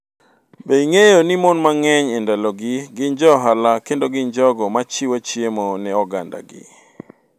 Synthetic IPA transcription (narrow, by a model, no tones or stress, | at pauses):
beiŋejonimɔnmaŋɛɲɛndaloɡɪɡɪnd͡ʒɔɦalakendoɡɪɲd͡ʒɔɡɔmat͡ʃiwat͡ʃjemonɛɔɡanda̰ɡɪ̰